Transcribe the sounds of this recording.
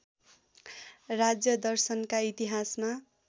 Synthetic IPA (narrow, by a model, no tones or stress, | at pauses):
rad͡zjʌd̪ʌrsʌnkait̪iɦasma